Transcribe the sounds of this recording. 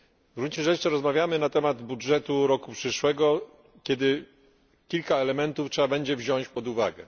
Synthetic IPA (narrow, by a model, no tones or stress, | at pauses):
ɡɾut͡ɕiʐɛt͡ʂɘɾɔzmavʲjamɘnat̪ɛmad̪budʐɛt̪uɾɔkupʂɘʂwɛɡɔ | kʲɛd̪ɘ | kʲilkaɛlɛmɛnt̪uftʂɛbabɛɲd͡ʑɛvʑɔ̃ɲ̃t͡ɕpɔd̪uva̰ɡɛ̰